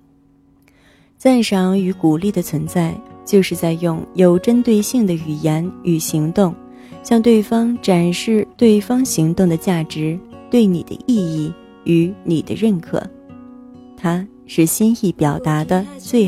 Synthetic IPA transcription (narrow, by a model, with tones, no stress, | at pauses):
t͡sa˥˩nʂɑ˧˥ŋy˧˥ku˨˩li˥˩d̪ə˩t͡sʰwə˧˥nt͡sa˥˧ɪt͡ɕjo˥˧ʊʂɻ̩˥˧t͡sa˥˧ɪjʊ˥˩ŋjo˧˥ʊʈ͡ʂə˥nt̪we˥˧ɪɕi˥˩ŋd̪ə˩y˨˩jɛ˧˥ny˨˩ɕi˧˥ŋt̪ʊ˥˧ŋ | ɕjɑ˥˧ŋt̪we˥˩ɪfɑ˥ŋʈ͡ʂa˨˩nʂɻ̩˥˧t̪we˥˩ɪfɑ˥ŋɕi˧˥ŋt̪ʊ˥˩ŋd̪ə˩t͡ɕja˥˩ʈ͡ʂɻ̩˧˥t̪we˥˩ɪnḭ˨˩d̪ə̰˦ʔi˥˧i˥˩ | y˧˥ni˨˩d̪ə̰˦ɻə˥˩nkʰɤ̰˨˩˦ | t̪ʰa˥ | ʂɻ̩˥˩ɕi˥ni˥˩pjɑ˨˩ʊt̪a˧˥d̪ə˧swe˥˩ɪ